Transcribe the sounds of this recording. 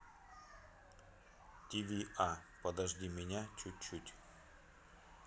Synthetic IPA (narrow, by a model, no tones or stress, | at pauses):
t̪ʲivʲiʔapɐd̪ɐʐdʲimʲɪnʲat͡ɕʊt̚ʲt͡ɕːutʲ